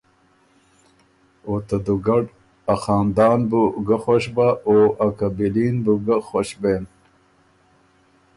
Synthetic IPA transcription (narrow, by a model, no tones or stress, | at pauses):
oːt̪ad̪uɡɐɖ | axɑːnd̪ɑːnbuɡaxoɕbaoakabiliːnbuɡaxoɕbeːn